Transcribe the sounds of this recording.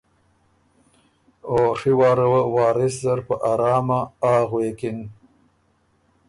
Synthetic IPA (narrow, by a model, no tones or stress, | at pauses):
oʂiwɑːɾəwəwɑːɾɪs̬zaɾpəʔaɾɑːmaɑːɣweːkɪn